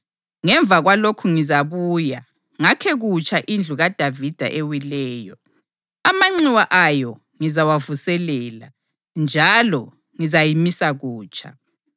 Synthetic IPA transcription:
ŋɛɱbvʱaɣwalokʰuŋizaβuːja | ŋakʰɛɣut͡ʃʰaʔind͡ɮʱuɣad̥ʱavid̥ʱa̰ʔewilɛːjɔ | amaŋ͡ǀiwaʔajɔ | ŋizawavusɛlɛːla̰ | nd͡ʒʱalɔ | ŋizajimisaɣuːt͡ʃʰʼa̰

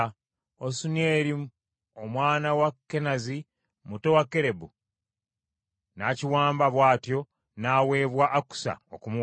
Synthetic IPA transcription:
osune̞ːɾi | omwaːnawakːe̞nazi | muto̞wakːe̞ɾe̞bu | naciwaːmbaβwaːtjo̞ | naːwe̞ːβwaʔːku̥sa̰o̰kumu

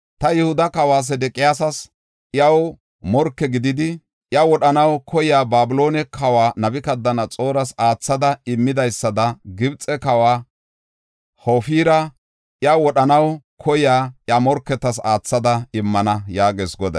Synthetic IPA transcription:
t̪ɐjɛhʊd̪ɐkɐwaːs̬ɛd̪ɛkʼɪjaːsɐs | ʔɪɐw | mɔɾkːɛɡɪd̪ɪd̪ɪ | jɐwɔɗɐnɐwkʰɔjaːbaːbɪlo̞ːnɛkʰɐwaːnɐbɪkɐd̪ːɐnɐt͡sʼo̞ːɾɐsaːt͡sːɐd̪ɐɪmːɪd̪ɐjsːɐd̪ɐɡɪbt͡sʼɛkɐwaː | hoːfiːɾɐ | ʔjɐwɔɗɐnɐw | kʰɔjaːʔjamɔɾkːɛt̪ːɐs̬aːt͡sːɐd̪ɐɪmːɐnɐjaːɡeːsɡɔd̪ɐ̰

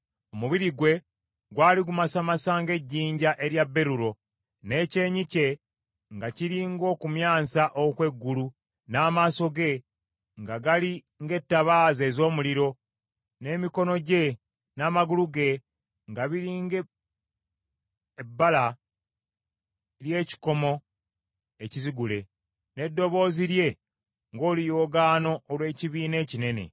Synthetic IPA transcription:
o̞muβiɾiɡwe̞ | ɡwaːliɡumasamasaːŋɡe̞ɟːiːɲɟaʔe̞ɾjabːe̞ɾuɾo̞ | ne̞ːce̞ːɲice̞ | ŋɡaciɾiŋɡo̞ːkumjaːsaʔokwe̞ɡːulu | naːmaːso̞ɡe̞ | ŋɡaɡali | ŋɡe̞tːaβaːze̞ːzo̞ːmuliɾo̞ | ne̞ːmiko̞no̞ɟe̞ | naːmaɡuluɡe̞ | ŋɡaβiɾiŋɡe | ebːala | lje̞ːci̥ko̞mo̞ | eciziɡule̞ | ne̞dːo̞βo̞ːziɾje̞ | ŋɡo̞ːlijoːɡaːno̞ːlwe̞ːciβiːne̞ːcine̞ne̞̰

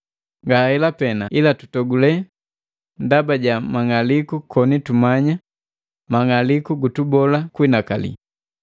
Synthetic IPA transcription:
ŋɡahɛlapɛnailatu̥tɔɡulɛ | ndabaɟamaŋalikukʰɔnitumaɲa | maŋalikuɡutubɔlakwinakalḭ

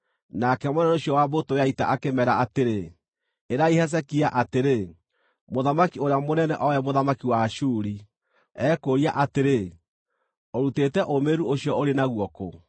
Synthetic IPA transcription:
nakɛmonɛnɛoɕjɔwabotojaita̰ʔakemɛɾaateɾe | eɾaihɛs̬ɛkiaʔateɾe | moðamakioɾeamonɛnɛʔɔjɛmoðamakiwaʃuːɾi | ɛːkoɾiaʔateɾe | oɾutetɛʔomeɾuoɕiɔoɾenaɣwɔko̰

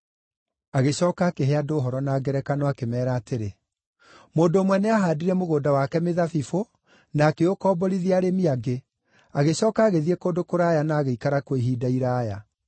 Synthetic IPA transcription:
aɣeɕɔːkaːkeɦeadoːɦɔɾɔnaːɡɛɾɛkanɔakemɛːɾaːteɾe | moːndoːmwɛneaɦaːdiɾɛmoɣoːdawakɛmeðafifo | naːkeokɔːbɔɾiðiaɾemiaɡe | aɣeɕɔːkaːɣeðiɛkoːndokoɾajanaːɣeikaɾakweɦiːdaiɾaːja̰

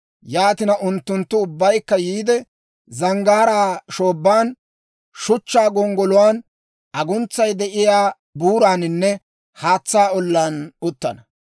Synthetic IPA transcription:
jaːt̪ɪnɐʔʊnt̪ːʊnt̪ːʊʊbːɐjkːɐjiːd̪ɛ | zɐŋɡaːɾaːʃoːbːaːn | ʃʊt͡ʃːaːɡɔŋɡɔlʊwaːn | ʔɐɡʊnt͡sːɐjd̪ɛʔɪjaː | buːɾaːnɪnːɛ | haːt͡sːaːɔlːaːnʊt̪ːɐ̰nɐ

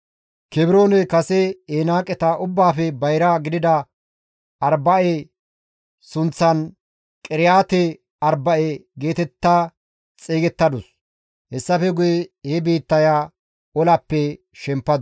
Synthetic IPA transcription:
kɛbɪɾoːnɛkɐsɛenaːkʼɛt̪ɐʔʊbːaːfɛbɐjɾaɡɪd̪ɪd̪ɐ | ɐɾbɐʔe | sʊnt͡sːɐn | kʼɪɾɪjaːt̪ɛ | ɐɾbɐʔeɡe̞ːt̪ɛt̪ːa | t͡sʼeːɡɛt̪ːɐd̪ʊs | hɛsːɐfɛɡʊjɛhɛbiːt̪ːɐjaː | ɔlɐpːɛ | ʃɛmpːɐd̪

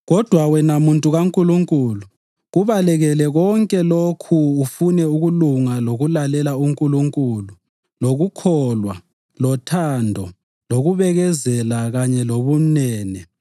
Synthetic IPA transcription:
ɣɔd̥ʱwawɛnamuntʼuɣaŋkʼuluŋkʼuːlu | ɣuβalɛɣɛlɛɣɔŋkʼɛlokʰuːfunɛuɣuluŋaloɣulalɛlauŋkʼuluŋkʼulu | loɣukʰɔlwa̰ | lɔtʰandʱɔ | loɣuβɛɣɛzɛlaɣaɲɛloβunɛːnɛ

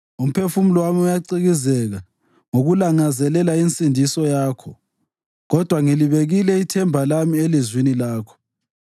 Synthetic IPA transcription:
um̩pʰefum̩lwamiujaǀiɣizɛɣa | ŋoɣulaŋazɛlɛlaint͡sʼindʱisɔjaːkʰɔ | ɣɔd̥ʱwaŋiliβeɣilɛitʰɛmbʱalamielizwinilaːkʰɔ̥

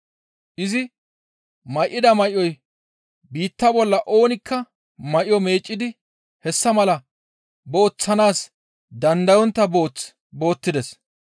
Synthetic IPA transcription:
ʔɪzɪ | mɐjʔːɪd̪ɐmɐjɔj | biːt̪ːɐbɔlːɐʔo̞ːnɪkʰːɐ | mɐʔjɔme̞ːt͡ʃʼːɪd̪ɪ | hɛsːɐmɐlɐ | bo̞ːt͡sːɐnaːs | d̪ɐnd̪ɐjɔnt̪ːɐboːt͡s | bo̞ːt̪ːɪd̪ɛs

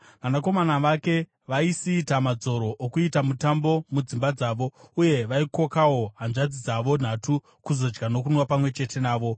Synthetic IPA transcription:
ʋamako̞manaʋake̞ | ʋaisiːtamad͡zo̞ɾo̞ʔokuitamutambo̞mud͡zimbad͡zaːʋo̞uje̞ʋaiko̞kawo̞ɦanʐad͡zid͡zaʋo̞n̤atu | kuzo̞d͡ʒɡano̞kunwapamwe̞t͡ʃe̞te̞naːʋo̞

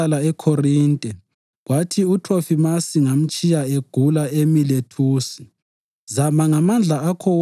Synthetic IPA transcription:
alaɛkʰorintʼɛ | ɣwatʰiutʰofimasiŋam̩t͡ʃʼijaeɡ̥ʱulaemiletʰuːsi̥ | zamaŋamand͡ɮʱaakʰɔ

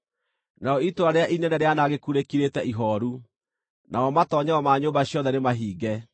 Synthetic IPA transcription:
naɔitoaɾeaʔinɛnɛɾeanaɣekuɾekiɾetɛʔiɦɔːɾu | naɔmatɔɲɛɔmaːɲoːmbaɕjɔðɛnemaɦiːɡɛ

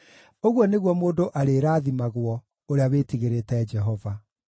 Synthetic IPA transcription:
oɣwɔneɣwɔmoːndoʔaɾeːɾaːðimaɣwɔ | oɾeawetiɣeɾetɛd͡ʒɛɦɔva

